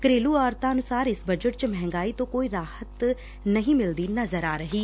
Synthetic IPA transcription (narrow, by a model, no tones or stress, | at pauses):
kɾeːluːɔːɾt̪aːənʊsaːɾɪsbəd͡ʒəʈt͡ʃmɛɦɛ̃ŋɡaːiːt̪õːkoːiːɾaːhət̪ | nəɦĩːmɪld̪iːnəzəɾaːɾəɦiː